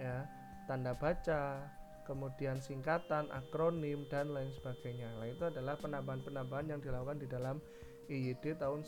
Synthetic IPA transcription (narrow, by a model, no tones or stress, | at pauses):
ja | t̪andab̥at͡ʃa | kəmudiansiŋkat̪anʔa̰kɾonɪmdanlaɪnsəb̥aɡ̥ajɲalait̪uadalahpənambaɦanpənambaɦanjaŋdilakukandidalam | ijid̥et̪aʊn